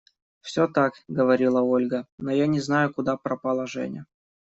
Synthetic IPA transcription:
fsʲot̪akɡəvɐɾʲilˠəolʲɡənojanʲɪznajʊkʊd̪apɾəpɐlˠəʐɛ̰nʲɪ̰jə

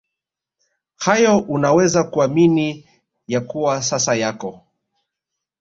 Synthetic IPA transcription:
hajɔʔunawɛzakuamini | jakuwasasajakɔ

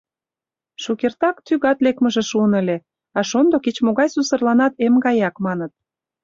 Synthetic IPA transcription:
ʃukert̪ɑkt̪yɣɑt̪lekməʒĕʃuənə̆lʲe | ɑʃond̪oket͡ɕmoɣɑjsusə̆rlɑnɑt̪emɡɑjɑkmɑnət̪̚

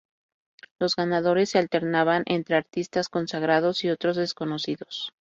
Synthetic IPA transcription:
lo̞zɣanaðo̞ɾe̞sːealt̪e̞ɾnaβanʔe̞nt̪ɾe̞aɾt̪ist̪asko̞nsaɣ̞ɾað̞o̞sio̞t̪ɾo̞zðe̞sko̞no̞siðo̞s

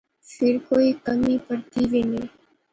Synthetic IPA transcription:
fɪɾkoːikəmipəɾt̪iʋeneː

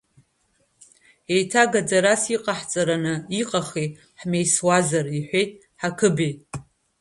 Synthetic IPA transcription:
e̞jtʰaɡad͡zaɾasiqʼaħt͡sʼaɾanɨiqʼaχe | ħme̞jswazariħʷe̞jtʼ | ħakʰɨbejtʼ

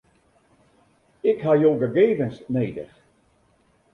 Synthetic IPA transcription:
ɪkɦajoːɡəɡeːvənsneːdə̰x

